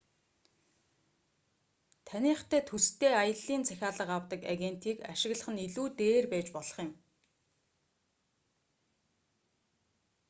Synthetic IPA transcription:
t̪ʰæniːχt̪ʰæːt̪ʰust̪ʰeːajə̆ɮːiːnt͡sʰæxʲaːɮə̆qawt̪ə̆ka̰ɣen̥t̪iːkaʃɪ̆ɣɮə̆χə̆niɮuːt̪eːrpæːt͡ɕpɔɮɞ̥̆χjɪ̆m

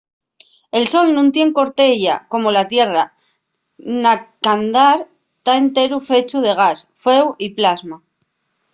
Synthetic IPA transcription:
e̞lso̞lnũnt̪je̞ŋko̞ɾt̪e̞ʝa̰ko̞mo̞lat̪je̞ra | nakand̪aɾ | t̪ae̞nt̪e̞ɾufe̞t͡ʃuð̞e̞ɣ̞asfe̞wiplazma

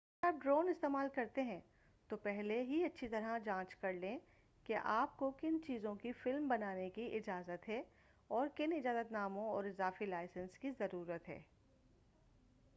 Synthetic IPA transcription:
ɐɐəɾaːp̚ɖɾoːnɪst̪eːmaːlkɐɾt̪eɦɛ̃ | t̪opɛɦleɦiɐtːʃʰit̪ɐɾad͡ʒãːt͡ʃkɐɾlẽ | keʔaːp̚kokɪnt͡ʃiːzõkifɪlmbɐnaːnekiʔɪd͡ʒaːzət̪ɦɛ | ɔːɾkɪnɪd͡ʒaːzət̪naːmõɔːɾɪzaːfilaːɪsə̃nskizɐɾuːɾət̪ɦɛ̰ː

